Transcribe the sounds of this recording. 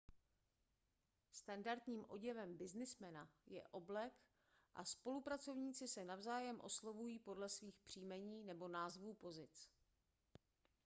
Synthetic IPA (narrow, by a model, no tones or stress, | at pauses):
st̪andaɾt̪ɲiːmʔo̞̰ɟɛvɛmbɪznɪsmɛnajɛ̰ʔo̞blɛk | ʔa̰spo̞lupɾat͡so̞vɲiːt͡sɪsɛnavzaːjɛmʔo̞slovujiːpo̞dlɛsviːxpr̝̥iːmɛɲiːnɛbo̞naːzvuːpo̞zɪt͡s